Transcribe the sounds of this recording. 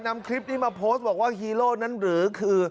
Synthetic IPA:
na˧mkʰɾi˦˥p̚niː˥˩maː˧pʰoː˦˥st̪̚bɔː˨˩k̚waː˥˩hiː˧loː˥˩na˦˥nɾɯː˩˦kʰɯː˧

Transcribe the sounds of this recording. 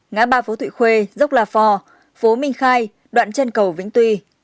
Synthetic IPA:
ŋaː˨˦ɓaː˧˩fo˨˦t̪ʰwḭ˧˨xwe˧zə˦˥wk͡p̚laː˨˩fɔ˧ | fo˨˦mï˧ŋ̟xaː˧j | ɗwa̰ː˧˨nt͡ɕə˧nkə˨˩wvḭ˧˥ŋ̟t̪wi˧

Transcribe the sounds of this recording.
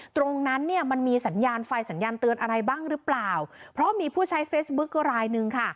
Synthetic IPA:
t̪ɾo˧ŋna˦˥nːi˥˩ma˧nmiː˧sa˩˦njaː˧nfa˧jsa˩˦njaː˧nt̪ɯ˧ənʔa˧ɾa˧jbaː˥˩ŋɾɯ˦˥plaː˨˩wpʰɾɔ˦˥miː˧pʰuː˥˩t͡ɕʰa˦˥jfeː˦˥sbu˦˥kːɔ˥˩ɾaː˧jnɯ˧ŋkʰa˥˩

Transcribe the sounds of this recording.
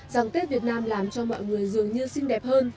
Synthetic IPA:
zaː˨˩ŋt̪e˦˥t̚vi˨˩ət̚naː˧mlaː˨˩mt͡ɕɔ˧mɔ̰˧˨jŋɨ˨˩əjzɨ˨˩əŋɲɨ˧sï˧ŋ̟ɗɛ˨˩p̚həː˧n

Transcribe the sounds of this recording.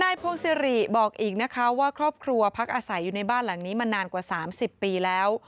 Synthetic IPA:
naː˧jpʰo˧ŋsi˧ɾi˨˩bɔː˨˩k̚ʔiː˨˩k̚na˦˥kʰa˦˥waː˥˩kʰɾɔː˥˩p̚kʰɾu˧ɐpʰa˦˥k̚ʔaː˧sa˩˦jːuː˨˩na˧jbaː˥˩nla˨˩˦ŋniː˦˥ma˧nːaː˧nkwaː˨˩saː˩˦msi˨˩pːiː˧lɛː˦˥w

